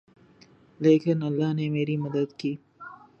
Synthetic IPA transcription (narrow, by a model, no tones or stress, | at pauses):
leːkɪnɐlːɑːneːmeːɾiməd̪əd̪kiː